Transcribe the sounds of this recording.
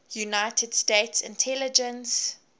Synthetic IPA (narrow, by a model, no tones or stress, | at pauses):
junaɪtʰəd̥stetsɪ̰̃ntʰɛlɪd͡ʒə̃ns